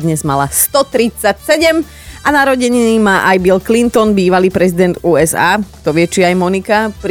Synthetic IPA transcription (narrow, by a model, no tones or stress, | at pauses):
d̪ɲɛzma̰last̪ɔt̪ɾit͡sacsɛɟɛm | anaɾɔɟɛɲinimaːʔajbilklint̪ɔnbiːʋaliːpɾɛzid̪ɛnd̪uːɛza̰ːt̪ɔʋɪɛt͡ʃiajmɔnikapɾ